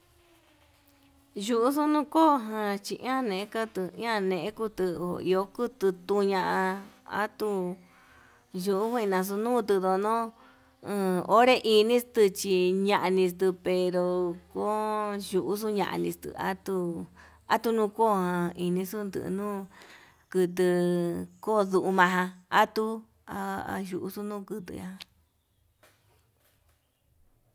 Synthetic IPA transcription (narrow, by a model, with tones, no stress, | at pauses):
ʒu˧ʔu˧su˦nũ˦ko˦˨ɦã˧t͡ʃi˧ʔã˦nẽ˨ẽ˦ka˦t̪ɨ˧ĩ˦ã˦˧nẽ˨ʔẽ˦ku˦˧t̪ɨ˧o̰˧˨ḭ˧o˧ku˦t̪ɨ˧t̪u˧ɲã˧ʔã˧a̰˦t̪u˧ | ʒu˧ʔu˦hũ˦ĩ˧nã˧s̬u˧nũː˦˨t̪ɨ˧ðo˧nõ˦˧ | o˦ɾe˦ʔi˧nĩ˦st̪ɨ˧t͡ʃi˧ɲã˧ʔa˧nĩ˧s̬t̪ɨ˧pe˧ɾo˧ko˦ʒu˧ʔu˦s̬u˦ɲã̰˧˨ʔa̰˧nĩ˧st̪ɨ̰˧˨a̰˦t̪u˧ | a̰˦t̪u˧nũː˦˧ko˦˨˧hã˧i˧nĩ˧su˦nd̪ɨ̰˧˨˧nũː˦ | kɨ˧t̪ɨ˧ko˦˨ðu˧ʔu˧mã˧ɦã˧a˦t̪u˦ | a̰˧ʒu˧ʔu˧su˦nũː˦˨kɨ˧t̪ɨ̰˧a˦ã˧